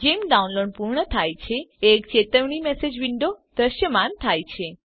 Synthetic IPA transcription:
d͡ʒemɖaunloɖpuɾɳət̪ʰajt͡ʃʰeekt͡ʃet̪əʋɳimesed͡ʒʋiɳɖod̪̥əʃjəmant̪ʰajt͡ʃʰe

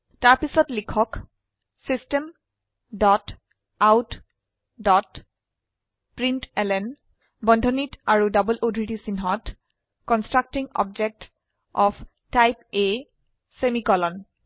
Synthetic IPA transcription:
taɹpisɔtlikʰɔk | sistem | dɔt | awt | dɔt | pɹintɛlɛn | bɔndʱɔnitaɹudɔbəlʔodɹitisinɦɔt | kɔnstɹak̚tiŋɔ̰b̚d͡ʒek̚t | ɔpʰ | tajpe | semikɔlɔn

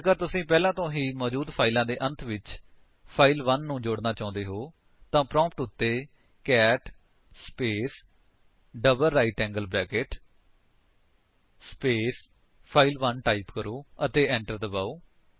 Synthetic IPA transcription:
kəɾt̪ʊsĩːpɛːlãːt̪õːɦiːmɔːd͡ʒuːd̪pʰaːilãːd̪eːʔə̃nt̪ʰʋɪt͡ʃ | pʰaːilʋənːũːd͡ʒoːɽnaːt͡ʃãːʊ̃nd̪eːɦoː | t̪ãːpɾɔ̃ːmpʈʊt̪ːeː | kɛːʈ | speːs | ɖəbəlːaːiʈɛ̃ːŋɡəlbɾɛːkeʈ | speːs | pʰaːilʋənʈaːipkəɾoːət̪eːɛ̃ːɳʈəɾd̪əbaːoː

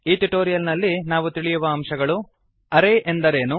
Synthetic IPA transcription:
iːʈiʈoːɾijɐlnɐlːinaːʋut̪iɭijuʋɐːmʃɐɡɐɭu | ɐɾeʔend̪ɐɾe̞ːnu

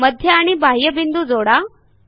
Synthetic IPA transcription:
məd̪ʱjəaɽ̃ibʱaɦjəbind̪ud͡zoɽa

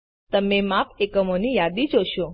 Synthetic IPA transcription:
t̪əmemapekəmonijad̪id͡ʒoʃo

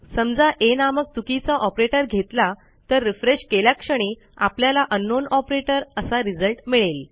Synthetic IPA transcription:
səmd͡zaʔenamək̚t͡sukit͡saʔɔpɾeʈəɾɡʱet̪la | t̪əɾːifɾeɕkeljakʂəɽ̃iː | apljalaʔənːonɔpɾeʈəɾəsaɾid͡zəlʈmiɭel

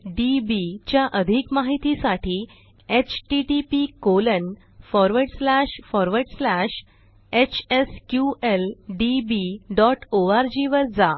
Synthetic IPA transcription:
ɖibit͡ɕjaʔəd̪ʱikmaɦit̪isaʈʰiː | et͡ɕʈiʈipikolən | fɔɾʋəɾɽslæɕfɔɾʋəɾɽslæɕ | et͡ɕeskjuelɖibiɖɔʈoaɾd͡ʑiʋəɾd͡za

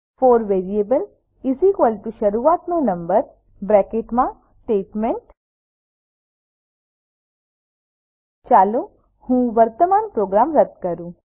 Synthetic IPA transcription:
foːɾʋeːɾiebəl | izikʋəlʈuʃɐɾuːaːt̪nũnɐ̃mbəɾ | bɾɛːkeʈmã | ʈeːʈmeɳʈ | t͡ʃaːlo | hũːʋəɾt̪əmaːnpɾoːɡɾaːmɾəd̪kəɾũː

